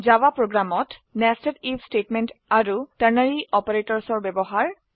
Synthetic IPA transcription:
zawapɹoɡɹamɔtnɛstelipstetmentaɹutaɹnaɹiʔɔpaɹetɔɹsɔɹbɛbɔɦaɹ

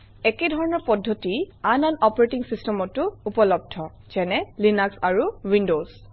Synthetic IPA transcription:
ɛkedʱɔɹɔnɔɹpɔdʱːotiananɔpɔɹetiŋsistɛmɔtːʊupɔlɔb̚dʱɔ | z̥ɛnɛlinaksaɹuwindoz

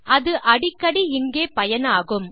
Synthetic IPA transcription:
ʔɐðɯʔɐɽɪkːɐɽiɪŋɡeːpɐjɐnaːɣɯm

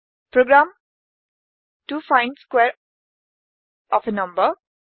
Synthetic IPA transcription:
pɾoɡɾãːm | ʈuːfãɪ̃nskweːɾ | ʔɔːfənʌ̃mbə

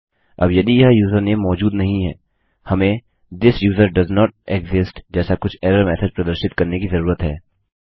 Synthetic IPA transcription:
ɐ̰bjɐd̪ijɐɦjuːzəɾnemɔːd͡ʒuːd̪nɐɦĩɦɛː | hɐmẽ | d̪ɪsjuːzəɾɖɐznɔːʈ̚eɡzɪsʈd͡ʒɛːsakʊt͡ʃʰɛːɾəɾmɛːsəd͡ʒpɾɐd̪əɾʃɪt̪kɐɾnekizɐɾuːɾət̪ɦɛː

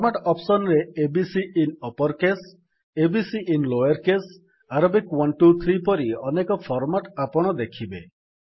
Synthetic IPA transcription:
pɔɾmaʈɔpsɔnɾeːbisiːnɔpɔɾkes | ebisiʔinlojɔɾkes | aɾɔbikwɔnʈut̪ʰɾipɔɾiɔnekɔpʰɔɾmaʈapɔɽ̃ɔd̪ekʰibe

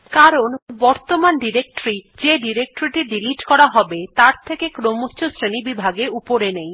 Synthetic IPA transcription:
kaɾonbɔɾt̪omanɖiɾek̚ʈoɾid͡ʑeɖiɾek̚ʈoɾiʈiɖiliʈkɔɾaɦɔbet̪aɾt̪ʰekekɾomot͡ɕʰosɾenibibʱaɡeupoɾenej

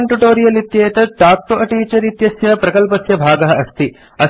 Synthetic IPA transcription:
ɳʈuʈoːɾijɐlit̪jeːɐt̪ɐʈaːk̚ʈoʔɐʈiːt͡ʃɐɾit̪jɐsjɐpɾɐkɐlpɐsjɐbʱaːɡɐɦɐɐst̪i | ɐ

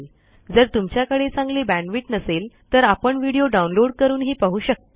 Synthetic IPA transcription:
d͡zəɾt̪umt͡ɕjakəɽet͡sãŋɡliːbæ̃ɳɖʋiːʈnəselt̪əɾapəɳʋiɽioɖaunloɽkəɾuːnɦiːpaɦuːɕək̚t̪

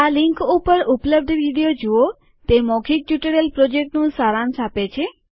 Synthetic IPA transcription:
alĩŋkupəɾupləb̚d̪ʱʋiɽijod͡ʒuo | t̪emɔkʰik̚t͡ʃuʈəɾelpɾɔd͡ʒek̚ʈnũsaɾansapet͡ʃʰe

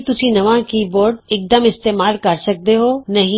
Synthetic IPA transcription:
t̪ʊsĩnɐʋãkiboːɾɖɪːk̚d̪əmɪst̪eːmaːlkɐɾsɐk̚d̪eɦoːnɐɦĩ

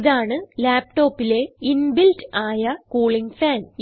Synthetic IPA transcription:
ðaːɳɨlaːp̚ʈo̞ːpːile̞inbiltaːjɐkuːɭiŋfaːn

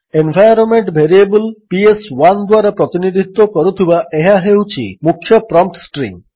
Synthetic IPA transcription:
enbʱajɾɔnmeɳʈbʱeɾiebulpieswand̪waɾapɾɔt̪inid̪ʱit̪ːɔkɔɾut̪ʰibaʔeɦaɦewt͡ʃʰḭmukʰːjɔpɾɔmp̚ʈsʈɾḭm

